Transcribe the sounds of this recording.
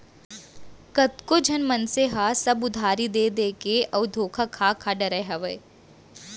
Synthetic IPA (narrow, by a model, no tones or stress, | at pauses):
kɐt̪kod͡ʒʱɐnmɐnseɦasɐbʊd̪ʱaːɾid̪eːd̪eːkeɐʊd̪ʱoːkʰakʰaːkʰaɖɐɾajɦɐʋɐj